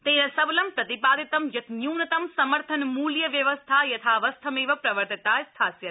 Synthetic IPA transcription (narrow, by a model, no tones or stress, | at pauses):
t̪enɐsɐblɐmpɾɐt̪ipaːd̪it̪ɐmjɐt̪njuːnɐt̪ɐmsɐməɾt̪ʰɐnmuljɐʋjɐʋəst̪ʰajɐt̪ʰaʋɐst̪ʰɐmeːʋɐpɾɐʋəɾt̪ɐt̪aːjst̪ʰaːsjɐt̪